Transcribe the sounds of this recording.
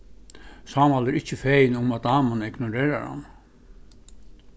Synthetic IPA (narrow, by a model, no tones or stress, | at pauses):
sɑːmalɛɾɪt͡ɕːəfejnʊmat̪aːmanɪɡnʊɾeːɾa̰ɹha̰n